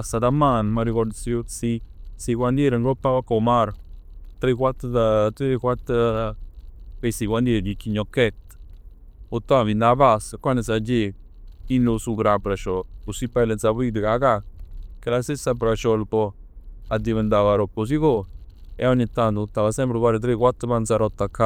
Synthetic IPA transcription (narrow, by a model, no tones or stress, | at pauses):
asad̪amanmaɾikoɾd̪siosisiɡʷwand̪jeɾaŋɡɾopaβakomaɾt̪ɾekʷwat̪d̪at̪ɾekwat̪a | kesiwʷand̪eɾd͡ʒit͡ʃiɲoket̪ | ot̪aaβind̪aβasakʷanes̬ad͡ʒe | inosuɡɾapɾaʃoosipalensaβid̪eɡaɣakelasesapɾaʃolpo | ad̪iβend̪aβaɾopos̬iɣo | ḛonet̪and̪t̪aβasempɾeβaɾet̪ɾekʷat̪aβansaɾot̪aka